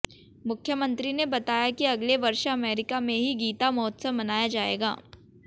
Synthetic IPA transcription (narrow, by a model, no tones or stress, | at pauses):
mʊkʰjəmə̃nt̪ɾinebɐt̪aːjakiɐɡleʋɐɾʃɐmɛːɾɪkamẽɦiɡiːt̪amɔːt̪səmːɐnaːjad͡ʒaːḛːɡa̰ː